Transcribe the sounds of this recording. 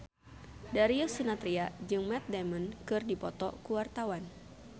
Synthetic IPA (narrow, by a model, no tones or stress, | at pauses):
daɾiʊsunat̪ɾiad͡ʒɨŋmɛt̪̚dɛmənkɨrdipɔt̪ɔ̰kuwart̪awan